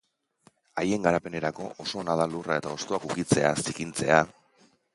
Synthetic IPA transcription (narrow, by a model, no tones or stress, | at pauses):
aje̞ŋɡaɾape̞ne̞ɾako̞ʔoso̞ːnað̞alurae̞t̪aost̪oakukit͡se̞asikint͡se̞a